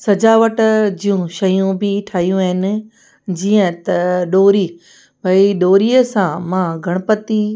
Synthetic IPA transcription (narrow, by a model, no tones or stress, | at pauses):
sɐd͡ʑaːʋəʈd͡ʑijũʃɐjũbɪʈʰaːɦijũaːɦɪnɪ̆ | d͡ʑiːə̃t̪ɐɗoːɾiː | bʱɐiɗoːɾiːəsãmãɡʱɐɽ̃ʊpət̪i